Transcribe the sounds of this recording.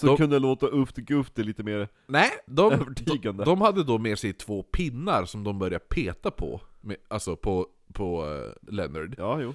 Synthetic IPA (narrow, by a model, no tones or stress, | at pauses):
sɔkɵnd̪əjaloːt̪aʔɵpt̪ɛɡɵpt̪ɛliːt̪əmeːɾ | nɛɪd̪ɔøːvəʈʰiːɡand̪əd̪ɔmhad̪ːəd̪ɔmeːʂɛjt̪ʰvoːpʰɪnːaɾsɔmd̪ɔmbœɾjapʰeːt̪apʰɔ̰mɛalsɔpʰɔ | pʰɔlɛnaɖjɑːjuː